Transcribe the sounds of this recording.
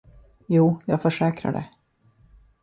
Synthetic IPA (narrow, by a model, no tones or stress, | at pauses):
juːjɑːɡfœʂɛːkɾa̰ɖɛ̰